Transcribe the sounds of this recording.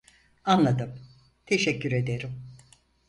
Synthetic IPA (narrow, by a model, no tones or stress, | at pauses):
anlˠad̪ɯm | t̪ʰeʃɛcːyɾe̞d̪e̞ɾim